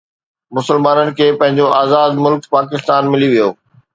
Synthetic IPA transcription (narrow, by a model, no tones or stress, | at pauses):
mʊsəlmaːnənɪ̆kʰeːpɐ̃ɦɪ̃ɲd͡ʑoʔaːzaːd̪mʊlkpaːk̬ɪst̪aːnmɪliʋijo̰ː